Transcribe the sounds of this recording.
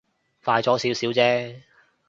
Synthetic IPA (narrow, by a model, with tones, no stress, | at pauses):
faː˧jt͡ʃɔː˨˥siː˨˥wsiː˨˥wt͡sɛː˥